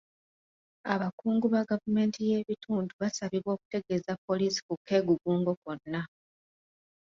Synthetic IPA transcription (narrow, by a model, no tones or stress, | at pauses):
aβakuːŋɡuβaɡavume̞ːntʰije̞ːβitʰuːnduβasaβiβwo̞ːku̥te̞ɡe̞zapːo̞lisi̥kukʰːe̞ːɡuɡuːŋɡo̞ko̞nːa